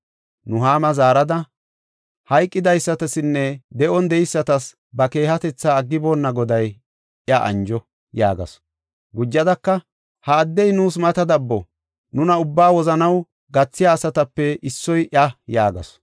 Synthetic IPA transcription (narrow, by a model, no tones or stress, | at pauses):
nʊɦaːmɐzaːɾɐd̪ɐ | hɐjkʼːɪd̪ɐjsːɐt̪ɐsɪnːɛd̪ɛʔɔnd̪ɛjɪsːɐt̪ɐs | bɐke̞ːhɐt̪ɛt͡sːaːɡːɪboːnːɐɡɔd̪ɐj | ɪɐʔɐ̰nd͡ʒɔ | jaːɡɐ̰s | ɡʊd͡ʒːɐd̪ɐkːɐ | hɐːd̪ːɛjnuːs̬mɐt̪ɐd̪ɐbːɔ | nʊnɐʊbːaːwɔzɐnɐw | ɡɐt͡sːɪjaːsɐt̪ɐpːɛʔɪsːɔjʔɐjaːɡɐ̰s